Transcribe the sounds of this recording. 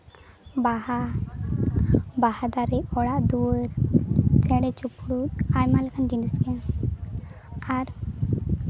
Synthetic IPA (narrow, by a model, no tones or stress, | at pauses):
baha | bahad̪aɾɛɔɽaʔd̪uəɾd͡ʒɛɽɛt͡ʃupɽut̪̚ajmalɛkʰand͡ʒinəskɛn | aɾ